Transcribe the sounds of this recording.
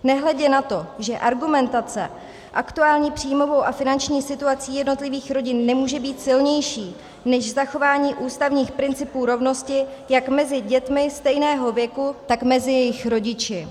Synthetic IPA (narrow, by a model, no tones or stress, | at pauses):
nɛɦlɛɟɛnat̪o̞ʒɛʔaɾɡumɛnt̪at͡sɛ̰ | ʔakt̪uaːlɲiːpr̥ijmo̞vo̞wʔafɪnant͡ʃɲiːsɪt̪uat͡siːjɛdno̞t̪lɪviːxɾo̞ɟɪnːɛmuːʒɛbiːt̪sɪlɲɛjʃiː | nɛʃzaxo̞vaːɲiːʔuːst̪avɲiːxpɾɪnt͡sɪpuːɾo̞vno̞scɪjakmɛzɪɟɛt̪mɪst̪ɛjnɛːɦo̞vjɛkut̪akmɛzɪjɛjɪxɾo̞ɟɪt͡ʃɪ